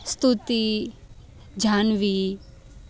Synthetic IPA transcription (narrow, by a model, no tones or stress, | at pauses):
st̪ut̪i | d͡ʒaːnʋi